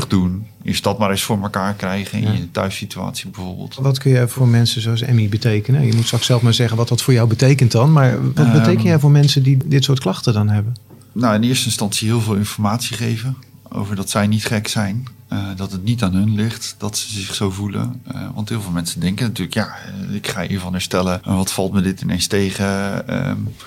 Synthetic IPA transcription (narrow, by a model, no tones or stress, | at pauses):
ɪχdun | ɪ̰sdɑtmaːɾɪsfʊːɹməkaːɹkrɛjχənɪ̰nəntœ̰ɥfsitya̰ːtsibəvʊːɹb̰lˠtʋɑtkɵnjɛwvʊːɹmɛnsəzowɑsɛ̰mibətejkənəjəmutsrɑksɛlˠfmaːɹzɛχənʋɑtɑtfʊːɹjawbətejkəntdɑnmaːɹʋɑt̚bətejkənjɛwvʊːɹmɛnsəndidɪtsʊːɹtklˠɑχtədɑnɦɛbən | nawɪnɪːɹstəɪnstɑnsiɦɪːlˠvɪːlˠɪnfɔɹmaːtsiχejvəo̰wvəɹdɑtsɛjnitχɛksɛjn | dɑtətnitaːnɦɵnlɪχtd̥ɑtsəzɪχsowvulə̰ʋɑ̰ntɦɪːlˠvɪlˠmɛnsəndɛŋkənatyːɹləkjaːɪkχa̰ːḭɹvɑnɛɹstɛlənʋɑtfɑlˠtmədɪtɪnejnstejχəə̰